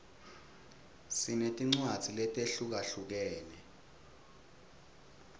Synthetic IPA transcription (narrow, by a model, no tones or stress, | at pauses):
sinetʼiŋ͡ǀwad̥z̥ʱilɛtʼeɬuk̬aɬuk̬ɛːnɛ